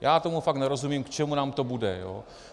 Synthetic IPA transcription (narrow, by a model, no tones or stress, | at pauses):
jaːt̪o̞mufaknɛɾo̞zumimkt͡ʃɛmunaːmt̪o̞budɛjo̰ː